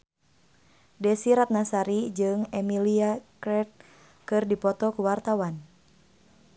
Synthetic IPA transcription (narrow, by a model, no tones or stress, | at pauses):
dɛsiɾat̪̚nasaɾid͡ʒɨŋɛmiliakɾɛt̪̚ | kɨrdipɔt̪ɔkuwart̪awan